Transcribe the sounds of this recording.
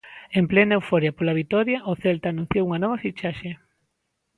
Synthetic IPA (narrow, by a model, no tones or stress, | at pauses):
emplenaewfoɾjɐpolaβ̞it̪ɔɾjaʔoθelt̪aːnũn̟θjowuŋɐnɔβɐfit͡ʃaʃe